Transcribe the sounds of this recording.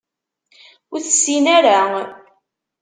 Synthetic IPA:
ʊθəsinaɾa

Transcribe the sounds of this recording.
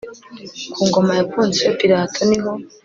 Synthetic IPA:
kʰuːŋɡo̞majakuːnziwepiɾaːtʰoniɦo

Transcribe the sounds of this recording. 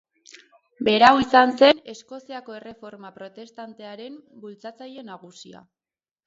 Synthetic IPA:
be̞ɾawisanse̞ne̞sko̞siako̞e̞re̞fo̞ɾmapɾo̞t̪e̞st̪ant̪eaɾe̞mbult͡sat͡saje̞naɣ̞usia̰

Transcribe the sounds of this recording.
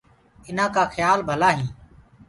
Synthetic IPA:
ɪnãːkaːxjaːlbʱəlaːɦĩː

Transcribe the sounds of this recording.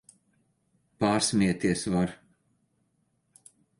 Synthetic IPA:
paːɾsmʲiɛt̪iɛsvaɾ

